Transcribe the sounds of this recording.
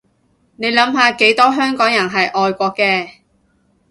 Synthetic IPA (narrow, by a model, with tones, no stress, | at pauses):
ne˨˧jlɐ˨˥mɦaː˧ke˨˥jt̪ɔː˥ɦœː˥ŋkɔː˨˥ŋjɐ˨˩nɦɐ˨jʔɔː˨˧jkʷɔː˧kːɛː˧